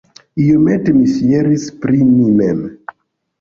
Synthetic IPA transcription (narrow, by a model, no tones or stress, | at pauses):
ijomɛtemisijɛɾispɾimimɛm